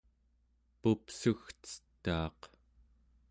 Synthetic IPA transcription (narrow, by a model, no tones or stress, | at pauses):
pupsuxt͡sə̥t̪ːɑːq